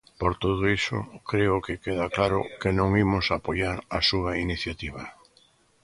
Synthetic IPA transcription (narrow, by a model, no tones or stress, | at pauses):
poɾt̪oð̞ʊisʊ̰kɾeʊkɪkeðaklaɾʊ̰kenõŋimʊsapojaɾasuainiθjat̪iβ̞a